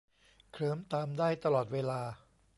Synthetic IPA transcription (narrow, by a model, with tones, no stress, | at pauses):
kʰɾɤː˦mt̪aː˧mdaː˥˩jt̪a˧lɔː˨˩t̪̚weː˧laː˧